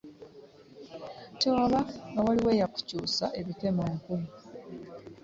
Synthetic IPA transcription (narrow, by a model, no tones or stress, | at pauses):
tewaβaŋɡawaliwe̞ːjaku̥cuːsae̞βite̞moːŋku